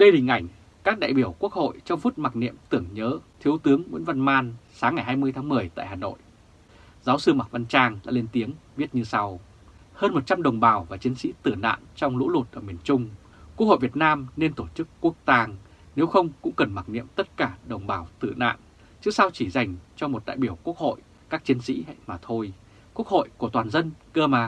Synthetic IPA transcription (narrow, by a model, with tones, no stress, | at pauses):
ɗ̪e˧hï˨˩ŋ̟ʔa˧˩jŋ̟ | kaː˦˥k̚ɗa̰ː˧˨jɓi˧˩əwku˦˥ək̚ho̰˧˨jt͡ɕɔ˧wŋ͡mfu˦˥t̚ma˨˩k̚nḭ˧˨əmt̪ɨ˧˩əŋɲəː˨˦t̪ʰi˨˦əwt̪ɨ˨˦əŋmwḭ˧˥nva˧nmaː˧nsaː˨˦ŋːa˨˩jɦaː˧jmɨ˧əjt̪ʰaː˨˦ŋmɨ˨˩əjt̪a̰ː˧˨jhaː˨˩no̰˧˨j | zaː˨˦wsɨ˧ma˨˩k̚va˧nt͡ɕaː˧ŋla̰ː˧˥le˧nt̪i˨˦əŋɓi˦˥ət̚ɲɨ˧sa˧w | həː˧nmo˨˩t̚t͡ɕa˧mɗə˨˩wŋ͡mɓaː˨˩wvaː˨˩t͡ɕi˨˦nsḭ˧˥t̪ɨ˧˩na̰ː˧˨nt͡ɕɔ˧wŋ͡mlṵ˧˥lu˨˩t̚ʔəː˧˩mi˨˩ənt͡ɕʊ˧ŋ͡m | ku˧˦˥k̚ho̰˧˨vi˨˩ət̚naː˧mne˧nt̪o˧˩t͡ɕɨ˦˥kːu˦˥ək̚t̪aː˧ŋ | ne˨˦wxə˧wŋ͡mkʊ̰˧˥ŋ͡mkə˨˩nma˨˩k̚nḭ˧˨əmt̪ə˦˥t̚kaː˧˩ɗə˨˩wŋ͡mɓaː˨˩wt̪ɨ˧˩na̰ː˧˨n | t͡ɕɨ˦˥əksa˧wt͡ɕi˧˩za˨˩jŋ̟t͡ɕɔ˧mo˨˩t̚ɗa̰ː˧˨jɓi˧˩əwku˦˥ək̚ho̰˧˨j | kaː˦˥k̚t͡ɕi˨˦ənsḭ˧˥maː˨˩t̪ʰo˧j | ku˦˥ək̚ho̰˧˨jku˧˩ət̪waː˨˩nzə˧nkəː˧maː˨˩